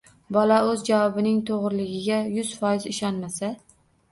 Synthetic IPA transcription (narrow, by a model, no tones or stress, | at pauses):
bɒlaɵzd͡ʒawɒbɪnɪŋt̪ʰoʁɾlɪɡʲɪɡʲajʊz̥fɒjɪzɪʃɒnmasa